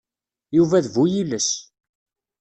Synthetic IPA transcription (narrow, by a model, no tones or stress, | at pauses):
juvæðvujiləs